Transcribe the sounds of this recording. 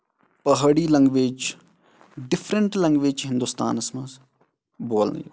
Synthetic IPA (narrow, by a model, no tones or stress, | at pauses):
pɐɦɽiːlɐ̃ŋɡʋeːd͡ʒ | ɖɪpʰɾəɳʈlɐ̃ŋɡʋeːd͡ʒɦɪ̃nd̪uːst̪a̰ːnɐsmɐz | boːlnḭj